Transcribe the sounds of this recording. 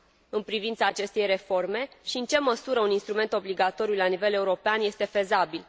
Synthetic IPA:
ɨnpɾivint̪saːt͡ʃe̞st̪e̞jre̞fo̞rme̞ʃiɨnt͡ʃe̞məsuɾəuninst̪ɾume̞nt̪o̞bliɡat̪o̞ɾijulanive̞le̞uɾopeanje̞st̪e̞fe̞zabil

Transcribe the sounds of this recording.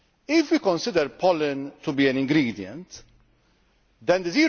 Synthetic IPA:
ɪfwikɔ̃nsɪd̪əɾpʰɔlɪ̃nt̪ubiːɛ̃nɪ̃ŋɡɾiːd̪jɛ̰̃nt̪ | d̪ɛ̃nd̪əziː

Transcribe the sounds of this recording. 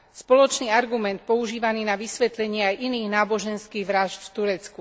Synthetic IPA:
spɔlɔt͡ʃniːaɾɡumɛnt̪̚pɔuʒiːʋaniːnaʋisʋɛt̪lɛɲɪɛajʔiniːɣnaːbɔʒɛnskiːɣʋɾaʒt̪ft̪uɾɛt͡sku

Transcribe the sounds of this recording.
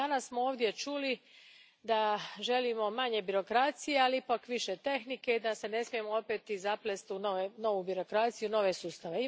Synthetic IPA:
anassmooːʋd̪ʲje̞t͡ʃuli | d̪aʒe̞limo̞maɲe̞biɾo̞kɾat̪sije̞aliipakʋiʃe̞t̪e̞xnike̞id̪ase̞ne̞smije̞moo̞pet̪izaplest̪iunoeno̞ʋubiɾo̞kɾat̪sijuno̞ʋe̞suːst̪aʋe̞i

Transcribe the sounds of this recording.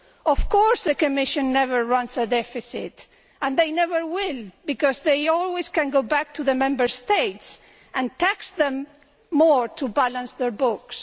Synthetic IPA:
ɔfkɔɹsðəkɨmɪʃɨ̃nːɛvəɹɹʌ̃nsədɛfɪsɪ̰t | ə̃nðejnɛvəɹwɪlˠbikɔzðejɔlwɪskæ̃nɡoʊbæk̚tʰuðəmɛ̃mbə˞steɪts | ʔæ̃ntæksðɛ̃mː | ɔɹtʰubalãnsðɛɹbʊks

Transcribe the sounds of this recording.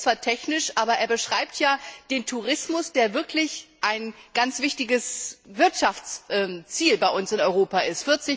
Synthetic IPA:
t͡sv̥aːɐtʰɛçnɪʃʔaːbɐʔeːɐbəʃʁ̥aɪp̚tʰjaːd̥eːntʰuʁɪsmʊsd̥eːɐvɪɐkʰlɪçʔaɪnɡ̥ant͡sv̥ɪçtɪɡəsvɪɐtʃaft͡sʔɛt͡siːlbaɪʔʊnsɪnɔʏʁ̞oːpaʔɪstfɪɐt͡sɪ

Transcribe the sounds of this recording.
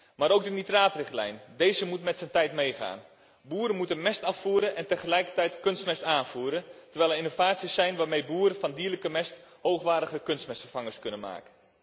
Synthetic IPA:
maːɾowk̚dənitraːtrɪxtlɛ̰jndejzəmutmɛtsəntɛjtmejχa̰ːn | buːəɾənmutənmɛstafuːɾənʔɛntəχəlɛjkərtɛjtkønstmɛstaːnfuːɾəntəɹʋɛjlɛinovaːt͡ssisɛjnʋaːrmejbuːɾəfɔndiːələkəmɛsthowxʋaːdəɣəkønstmɛstfərfaŋəskønənma̰ːkə

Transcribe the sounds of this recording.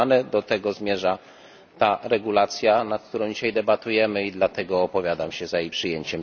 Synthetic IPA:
nɛd̪ɔt̪ɛɡɔzmʲjɛʐa | t̪aɾɛɡulat̪sʲjanat̪̚kt̪uɾɔ̃w̃d͡ʑiɕajd̪ɛbat̪ujɛmɘid̪lat̪ɛɡɔːpɔvʲjad̪amɕɛzajejpʂɘjɛɲt͡ɕɛm

